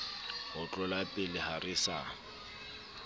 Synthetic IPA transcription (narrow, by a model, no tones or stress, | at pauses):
hʊt͡ɬʼʊlapʼɪlɪharɪsa